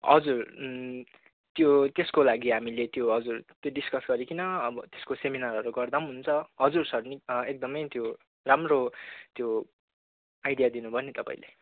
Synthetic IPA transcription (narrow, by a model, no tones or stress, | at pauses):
ɦʌ̰d͡zur | t̪jot̪eskolaɡiɦamilet̪joɦʌd͡zurt̪joɖiskʌsɡʌɾikinʌʌbʌt̪eskoseminaɾʌɾuɡʌrd̪amɦunt͡sʰʌɦʌd͡zursʌrniek̚d̪ʌmʌjt̪jo | ramrot̪jo | ajɖijad̪inubʱʌnet̪ʌpa̰ĩle